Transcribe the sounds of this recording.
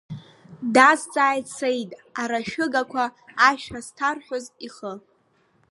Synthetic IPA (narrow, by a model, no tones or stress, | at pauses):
dazt͡sʼaːjtsejtʼaɾaʃᶣʊɡakʷʰaːʃᶣastʰarħʷᶣoziχə